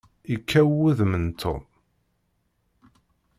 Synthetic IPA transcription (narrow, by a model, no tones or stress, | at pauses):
ikʰːæwuðmənt̪ʰo̰m